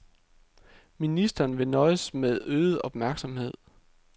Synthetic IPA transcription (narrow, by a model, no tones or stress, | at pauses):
minisd̥ɐːnʋe̝nɒ̽ɪəsmeðˠøːð̩ˠɒ̽b̥mæɐɡ̥sɒ̽mhe̝ð̞̰ˠ